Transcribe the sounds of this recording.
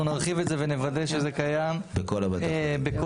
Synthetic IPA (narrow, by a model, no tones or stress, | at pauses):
unaʁχivetzevenevad̪e̞ʃezekajambekolabadbeko